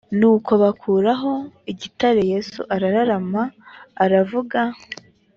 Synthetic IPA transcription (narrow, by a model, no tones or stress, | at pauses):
nuːko̞βakʰuːɾaɦo̞iɟitaɾeje̞sṵʔaɾaɾaɾamaːɾavuɡa